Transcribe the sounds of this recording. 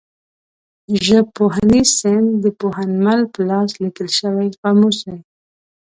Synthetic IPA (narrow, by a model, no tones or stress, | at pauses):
ʒəpoɦanisɪnd̪d̪əpoɦanmalpəlɑslikəlʃəwajqamusaj